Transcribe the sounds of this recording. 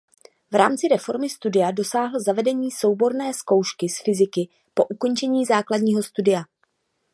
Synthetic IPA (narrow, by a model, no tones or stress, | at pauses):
vɾaːmt͡sɪɾɛfo̞ɾmɪst̪udɪjado̞saːɦl̩zavɛdɛɲiːso̞wbo̞ɾnɛːsko̞wʃkɪsfɪzɪkɪ | po̞ʔuko̞nt͡ʃɛɲiːzaːkladɲiːɦo̞st̪udɪja